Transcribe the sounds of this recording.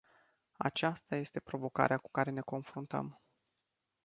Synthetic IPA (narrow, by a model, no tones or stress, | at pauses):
a̰t͡ʃast̪aje̞st̪e̞pɾo̞vo̞ka̰ɾeaku̥kaɾe̞ne̞ko̞nfɾunt̪ə̰m